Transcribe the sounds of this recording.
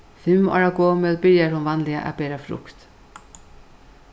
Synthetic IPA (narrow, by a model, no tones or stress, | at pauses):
fɪmɔ̰ːɹaɡoːmœːlbɪɹjaɹhʊnʋanlɪa̰ʔæ̰bɛːɾafɾʊ̰kt̪